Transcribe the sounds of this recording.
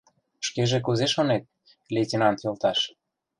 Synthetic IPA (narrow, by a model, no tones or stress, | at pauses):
ʃkeʒĕkuzeʃonet̪̚ | lʲetʲenɑnt̪jølt̪ɑʃ